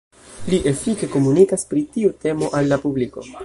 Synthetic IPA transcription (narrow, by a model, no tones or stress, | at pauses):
liʔe̞fike̞ko̞munikaspɾitiute̞mo̞ʔalːapubliko̞̰